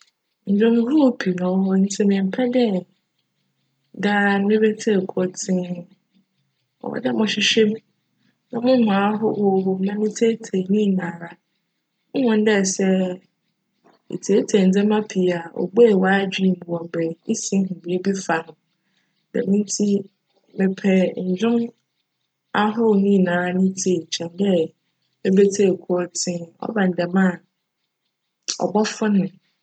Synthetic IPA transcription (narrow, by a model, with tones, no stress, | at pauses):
n̩˨dɔ̃˦mʊ̃˦hu˦˨pʰi˨nã˨wɦɔ˦n̩˦sɛ˦mɪ̃˨m̩˨pʰɛ˦dɛ˦˨ | da˦mɪ̃˦bɛ˦tʰe˦˨kʰɔ˦tʰɪ̃˦n | ɔ̰˨wɔ̰˨dɛ˦mʊ̃˨ɕɪ˦ɕᶣɛ˦mĩ˦ | nã˦mʊ̃˦mãː˨˦ɦɔ˦wɔ˨wɔ˨m̩˦mã˦nɪ̃˦tʰe˦tʰɛ˨nĩ˦˨nãː˨ɾa˨ | ʊ̃˦hɔ̃˨n˦dɛ˦˨sɛ˦ | ḛ˨tʰe˨˦tʰe˨n̩˨d͡zɛ̃˦mã˦pʰi˨a˨ɔ̰˨ɡ͡be˦˨wa˦d͡ʑᶣi˦˨m˨bu˨ɔ̃˨m˨bɛ˨˦sĩ˦ɦʊ̃˨bi˨˦bi˦fa˨nʊ̃˨ | dɛ̰˨mɪ̃˦n˦tʰi˦ | mɪ̃˨pʰɛ˨ɲ̩˨d͡ʑᶣʊ̃˦m | a˦ɦʊ˦˨nĩ˦˨nãː˨ɾa˦nʊ̃˦tʰe˨t͡ɕʰɛ̃˨ndɛ˦ | e˦be˦tʰe˦˨kʰɔ˦tʰɪ̃˦ɔ̰˦ba˨n̩˨dɛ˨mã˦˨ | ɔ̰˨bɔ˦fʊ̃˦nʊ̃˨